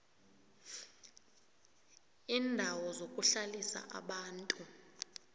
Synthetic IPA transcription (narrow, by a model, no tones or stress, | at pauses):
iːndʱawɔzokʼuɬalisa̰ʔa̰ɓaːntʼu